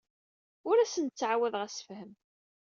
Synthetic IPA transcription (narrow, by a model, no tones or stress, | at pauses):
ʊɾæsənt̪t͡sːʕawæðʁæsfhəm